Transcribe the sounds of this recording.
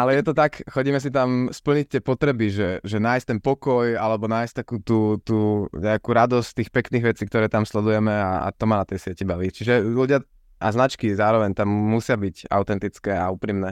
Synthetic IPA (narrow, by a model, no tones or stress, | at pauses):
alɛjɛt̪ɔt̪akxɔɟiːmɛs̬it̪amspl̩ɲic̚t̪ːɪɛpɔt̪ɾɛbiʒɛʒɛnaːjsc̚ʲt̪ɛnpɔkɔjalɛbɔnaːjst̪akuːt̪uːt̪uːɲɛakuːɾad̪ɔsct̪iːxpɛkniːɣʋɛt͡siːkt̪ɔɾɛːt̪amslɛd̪ujɛmɛa̰a̰t̪ɔmanat̪ɛjsɪɛcibaʋiːt͡ʃiʒɛluɟɪa | ʔa̰znat͡ʃkizaːɾɔʋɛɲt̪amːusɪabiɟa̰ʊt̪ɛnt̪it͡skɛauːpɾiːmnɛ